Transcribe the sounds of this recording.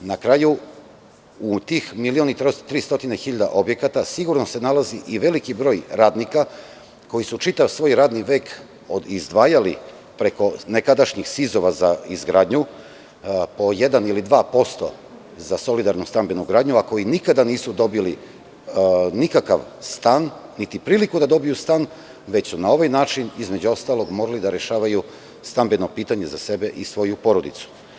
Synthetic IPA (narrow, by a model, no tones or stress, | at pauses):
nakɾaːju | ut̪iːxmilio̞nit̪ɾot̪ɾiːst̪o̞t̪inexiʎad̪a̰ʔobje̞kat̪asiɡuɾno̞se̞nalaziʔiʋe̞likibɾo̞ːjɾaːd̪nika | ko̞jisut͡ʃit̪aʋsʋo̞ːjɾaːd̪niʋe̞ːk | o̞d̪izd̪ʋaːjalḭ | pɾe̞ko̞ne̞kad̪aʃɲixsizo̞ʋazaizɡɾaːd̪ɲu | po̞je̞d̪anilid̪ʋaːpo̞st̪o̞̰ | zaso̞lid̪aɾnust̪ambe̞nuɡɾaːd̪ɲuako̞jinikad̪aniːsud̪o̞bili | nikakaʋst̪aːnːit̪ipɾiːlikud̪ad̪o̞bijust̪aːn | ʋe̞t͡ɕsunao̞ʋajnaːt͡ʃinizme̞d͡ʑuo̞st̪aːlˠo̞ɡmo̞ɾalid̪aɾe̞ʃaːʋaju | st̪ambeno̞piːt̪aɲe̞zase̞be̞ʔisʋo̞jupo̞ɾo̞d̪it̪su̥